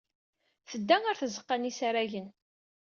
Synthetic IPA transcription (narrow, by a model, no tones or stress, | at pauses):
θəd̪ːæŋaɾθəzəqːanisaɾæʝən